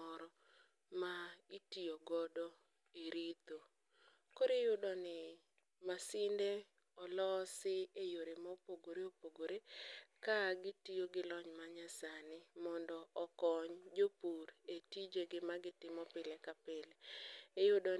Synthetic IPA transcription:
ɔɾɔ | maitioɡɔdɔ | iɾit̪o | koɾejʊdɔnɪ | masɪnde | ɔlɔsɪejoɾemapoɡoɾeopoɡoɾekaɡɪtijoɡɪlɔɲmaɲasanɪmɔndɔɔkɔɲd͡ʒopuɾetid͡ʒeɡɪmaɡɪtɪmɔpɪlɛkapɪlɛejʊdɔ

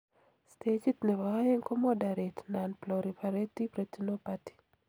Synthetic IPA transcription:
stet͡ʃitneβajɛŋkomɔdaɾetnanplɔɾipaɾetipɾetinopati̥

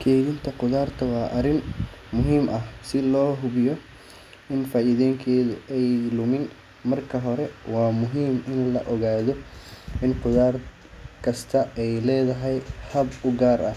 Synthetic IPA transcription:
kʰeːɣɪnt̪ʰɐqʊðaːrt̪ʰɐwɑːʔɐɾɪn | mʊɦiːmʔɐhsɪlɔːɦʊβɪjɔ | ʔɪnfaːʔɪðɛːŋkʰeːðʊʔɛjlʊmɪn | mɐrkʰɐɦɔɾɛwaːmʊɦiːmɪnlɐ̰ʔɔɣaːðɔʔɪnqʊðaːr | kʰɐst̪ʰɐɛjlɛːðɐɦɛjhɐbʊɡaːrɐ

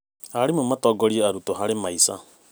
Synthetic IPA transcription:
aɾimumatɔːɡɔɾiaaɾutoɦaɾemaisa̰

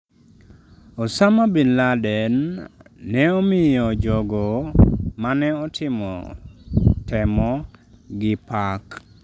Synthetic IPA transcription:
ɔsamabinladɛnː | ɛɔmɪjɔd͡ʒɔɡɔ | manɛɔtʰɪmɔ̰ | tɛmɔɡɪpak

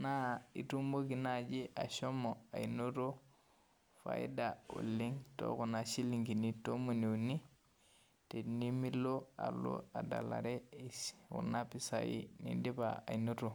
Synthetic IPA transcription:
naitumboɡinad͡ʒiʔa̰ʃomoajnuɾo | fa̰idaṵliŋto̰kunasilːiŋkinitomuniuni | tenimiloa̰lo̰ada̰la̰ɾesṵnapisa̰jḭnḭndibaa̰jnuɾo

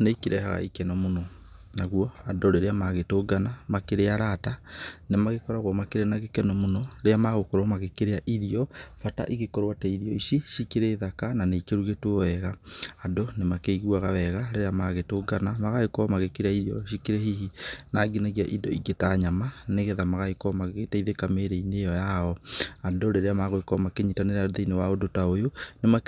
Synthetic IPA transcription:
neikiɾʔɛha̰ɣa̰ikɛnɔmonɔ | naɣwɔandɔɾeɾeamaɣetoːɡanamakeɾeaɾatanemaɣekɔɾaɣwɔmakeɾenaɣekɛnɔmonɔɾeamaɣokɔɾamaɣekeɾeaʔiɾiɔfata̰ʔiɣekɔɾwatɛiɾiɔisiʃikiɾeːðakananeikeɾuɣetwɔɛɣaadonemakeiɣuaɣawɛɣaɾeɾeamaɣetoːɡanamaɣaekɔmaɣekeɾeaiɾiɔʃikeɾɛhiɦinaːɡinaɣia̰ʔḭndɔ̰iɡetaɲamaneɣeðamaɣaekɔmaɣeɣetaiðekameɾeinejɔjaɔadoɾeɾeamaɣoekɔmakeɲitaneɾeaɾuðeinewaodotaojonema

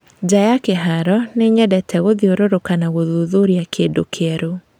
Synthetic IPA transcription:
d͡ʒajakeɦaɾɔneɲɛdɛtʰɛɣoðioɾoɾokanaɣoðuðoɾiakʰendokʰeɛɾo

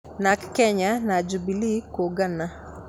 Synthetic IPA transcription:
nakkɛɲanad͡ʒubilikoɡana

